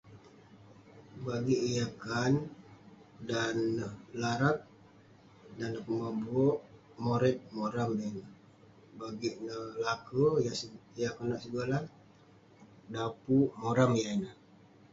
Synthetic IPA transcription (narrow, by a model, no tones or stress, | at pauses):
baɡiʔijakan | danːəhlaɾak̚ | danːəkəmabuoʔ | moɾɛt̪̚moɾamjainəh | baɡiʔnəhlakə | jakanaʔsəɡəla | dapumoɾamjainəh